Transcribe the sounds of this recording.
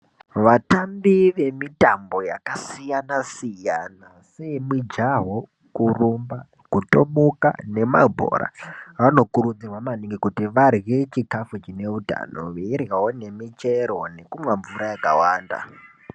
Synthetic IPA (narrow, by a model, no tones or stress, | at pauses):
ʋatambiʋe̞mitambo̞ja̰kasijanasijana | seimid͡ʒaɦo̞ | kurumba | kuto̞moka̰ne̞ma̰bʱo̰ɾa̰ʋano̞kuɾud͡zirwamaniŋɡikutiʋarɣe̞t͡ʃikafut͡ʃine̞uta̰no̞̰ʋeirjawo̞ne̞mit͡ʃe̞ɾo̞ne̞kumwaɱvuɾajaka̰waːnda̰